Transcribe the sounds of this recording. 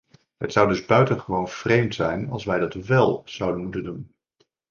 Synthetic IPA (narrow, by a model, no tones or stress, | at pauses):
ɦətsʌwdɵzbœɥtənχəʋownv̥rejmtsɛjnɑ̰lˠsʋɛjdɑtʋɛlˠz̥ɑwdənmutəndun